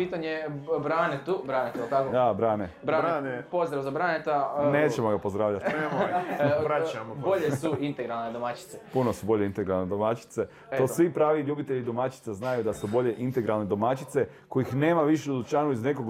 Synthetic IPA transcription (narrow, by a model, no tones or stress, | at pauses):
iːt̪aɲebɾaːnet̪ubɾaːnet̪elt̪akod̪abɾaːnebɾaːanpo̞zd̪ɾaʋzabɾaːnet̪aneːt͡ʃemo̞ɡapozd̪ɾaːʋʎat̪nem | ɾat͡ʃamboʎesuint̪eɡɾalˠned̪omat͡ʃi̥t̪sepunosubo̞ʎeint̪eɡɾalˠned̪omat͡ʃi̥t̪se̞ | o̞sʋipɾaːʋiʎuːbit̪eʎid̪o̞mat͡ʃi̥t̪saznajud̪asubo̞ʎe̞ʔint̪e̞ɡɾalˠne̞d̪o̞mat͡ʃi̥t̪se̞ | ko̞jixneːmaʋiʃeud̪lut͡ʃaːnuizne̞koɡ